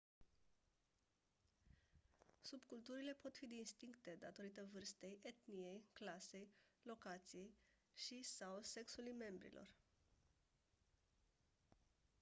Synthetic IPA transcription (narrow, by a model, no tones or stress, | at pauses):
subkult̪uɾile̞po̞t̪fid̪ist̪iŋkt̪e̞d̪at̪o̞ɾit̪əvɨrst̪e̞jʔe̞t̪nije̞jklase̞jlo̞kat̪sije̞j | ʃisawse̞ksulujme̞mbɾḭlʔo̞̰r